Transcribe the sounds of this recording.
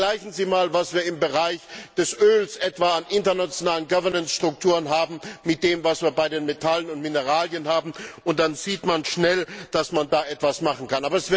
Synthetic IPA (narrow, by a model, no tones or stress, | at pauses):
laɪçn̩ziːmaːlvasv̥iːɐɪmbəʁaɪçd̥ɛsʔøːlsʔɛtv̥aanʔɪntɐnat͡sjonaːlənɡavɐnɛnsʃtʁ̥ʊktʰuːʁənɦaːbm̩mːɪt̚d̥eːmvasv̥iːɐbaɪdeːnmetʰalənʊntmɪnəʁaːljənhaːbm̩ʊnt̚d̥anziːtmanʃnɛld̥asmandaːʔɛtv̥asmaχn̩kʰanʔaːbɐɛsvɪ